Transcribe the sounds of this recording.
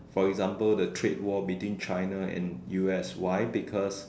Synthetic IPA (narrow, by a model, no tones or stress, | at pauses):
fɔɛkzãmpəldətʰɹet̚wɔbitwĩnt͡ʃãɪnaɛ̰̃njuɛswajbikʰɔs